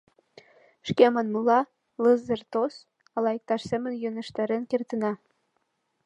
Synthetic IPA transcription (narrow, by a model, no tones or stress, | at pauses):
ʃkemɑnmɤlɑ | lɤzɤ̆rt̪os | ɑlɑjək̚t̪ɑʃsemə̆njønɘ̆ʃt̪æɾĕnkert̪ə̆nɑ